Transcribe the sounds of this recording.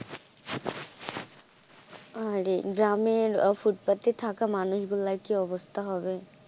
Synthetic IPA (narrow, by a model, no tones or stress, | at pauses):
aɾeɡɾaːmeɔfuʈ̚pət̪ːet̪ʰaːkamaːnʊʃɡʊlːakiɔbəst̪ʰaɦobe